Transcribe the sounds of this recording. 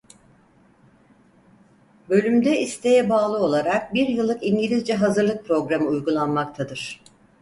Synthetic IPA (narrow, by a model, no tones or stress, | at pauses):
bø̞lʲymd̪ɛist̪ʰejɛbaːlˠɯo̞lˠaɾak̚biɾjɯlˠːɯkiɲɟilʲizd͡ʒɛɦazɯɾlˠɯk̚pɾo̞ɡɾamɯujɡulˠanmak̚t̪ʰad̪ɯɾ̥